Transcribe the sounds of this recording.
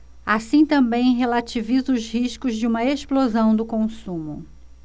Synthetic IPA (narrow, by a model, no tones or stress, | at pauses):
asĩt̪ɐ̃mbẽj̃ɦelat͡ʃivizʊzhiʃkʊzd͡ʒɪũmɐeʃplozɐ̃w̃d̪ʊkõsũmʊ